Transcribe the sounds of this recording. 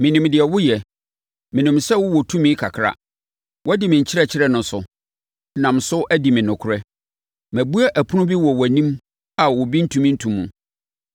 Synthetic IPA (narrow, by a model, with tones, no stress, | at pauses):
mɪ̃˨nĩ˨mdɪ˨ɛ˨wʊ˦jɛ˨ | mɪ̃˨nĩ˨msɛ˦wʊ˦wɔ˨tʰũ˦mĩ˦kʰa̰˨kʰɾa̰˨ | wʔɔ˦dɪ˨mɪ̃˨ɲ̩˨t͡ɕʰɪ˦ɾɛ˨t͡ɕʰɪ˦ɾɛ˦nʊ̃˨n˦sʊ˨ | nã˨m̩˨sʊ˦ʔæ˦dɪ˨mɪ̃˨nʊ̃˨kʰʊ˦ɾɛ˦ | mæ˨bu˦a˦ʔæ˨pʰʊ˦nʊ̃˦bi˦wɔ˨wæ˨nĩ˦m | a˨wɔ˨bi˦n̩˦tʰũ˦mĩ˦n̩˦tʰũ˨mːṵ̃˨